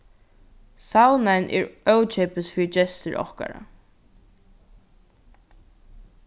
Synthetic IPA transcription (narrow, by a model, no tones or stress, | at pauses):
sawnanʔɛ̰ɹœwt͡ʃɛpəsfiːd͡ʒɛst̪əɹʔɔ̰hka̰ɹa̰